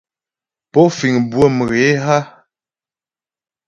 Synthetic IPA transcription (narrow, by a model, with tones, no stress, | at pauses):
pɔ˨˦fi˨ŋbwə˦˨mə˨ɣe˨˦ɦa˦